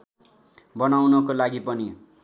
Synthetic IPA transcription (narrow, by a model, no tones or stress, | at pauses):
bʌnawnʌkolaɡipʌni